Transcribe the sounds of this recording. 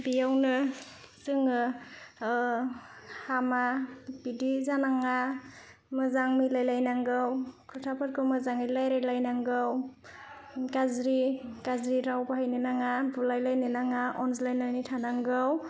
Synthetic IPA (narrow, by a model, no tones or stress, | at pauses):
bijawnɯ | zɯŋɯ | hamabidizanaŋa | mɯzaŋmijlajlajnaŋɡɯwkʰɯɾtʰapʰaɾkʰɯwmɯzaŋmilajɾajlajnaŋɡɯw | ɡazɾiɡazɾiɾawbahajnɯnaŋabulajlajnɯnaŋaʔɔns̬lajnanitʰanaŋɡɯw